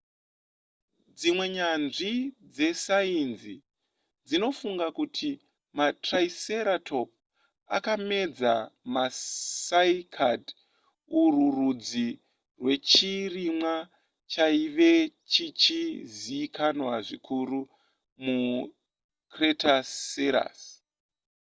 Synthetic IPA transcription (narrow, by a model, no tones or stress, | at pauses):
d͡zimwe̞ɲanʐid͡ze̞sainzi | d͡zino̞fuŋɡakutʰi | matraise̞ɾatʰo̞p̚ | a̰kame̞d͡zamasaikʰad | ururud͡zi | rwe̞t͡ʃirimwa | t͡ʃaiʋe̞t͡ʃit͡ʃiziːkanwaʐikʰuɾu | mu | kretaeɾa̰s